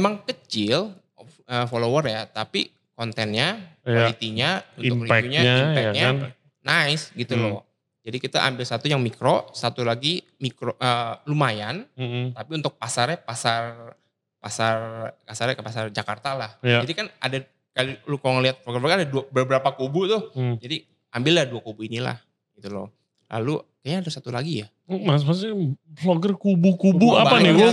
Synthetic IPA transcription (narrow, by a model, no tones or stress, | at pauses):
maŋkət͡ʃɪl | əfolowərjat̪api | kɔnt̪ɛnɲaalit̪iɲaunʊkliuɲaimpɛɲa | naɪsɡit̪ulɔ | d͡ʒadikit̪aʔa̰mbɪlsat̪ujaŋmikɾosat̪ulaɡi | mikɾoʔəlumajant̪apiunt̪ʊk̚pasarɲapasar | pasarpasarkəpasard͡ʒakart̪alahjadikana̰da | kalilukaloŋəliat̪̚floɡərfoɡadaduabəbəɾapakubut̪ʊhd͡ʒadi | ambɪlːahduakubuinila̰h | ɡit̪ulo̰ | la̰lukaɲaːdasat̪ulaɡija | masmas̬floɡərkubukubuabaanɪ